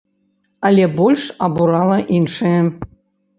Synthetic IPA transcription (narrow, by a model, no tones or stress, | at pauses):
alʲebolʲʂabuɾɑlˠɐʔinʂe